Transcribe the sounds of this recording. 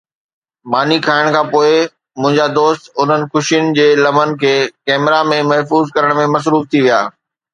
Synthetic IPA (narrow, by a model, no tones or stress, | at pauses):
maːnikʰaːɪɽ̃kʰãːpoːɪ | mʊ̃ɦɪ̃ɲd͡ʑad̪oːst̪ʊn̤ənɪ̆xʊʃijʊnɪ̆d͡ʑeːlɐmənɪ̆kʰeːkɛːmɪɾamẽmɐɦfuːzkɐɾəɽ̃mẽmɐs̬ɾuːft̪ʰiʋija̰ː